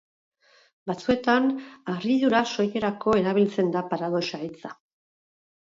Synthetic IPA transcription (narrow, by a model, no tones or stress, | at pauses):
bat͡sue̞t̪anariðuɾaso̞je̞ɾako̞e̞ɾaβ̞ilt͡se̞nd̪apaɾað̞o̞sait͡sa